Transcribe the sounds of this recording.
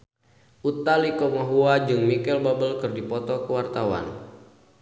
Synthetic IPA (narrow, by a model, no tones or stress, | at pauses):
ʔut̪alikɔmaɦuad͡ʒɨŋmikɛlbabəlkɨrdipɔt̪ɔkəwart̪awa̰n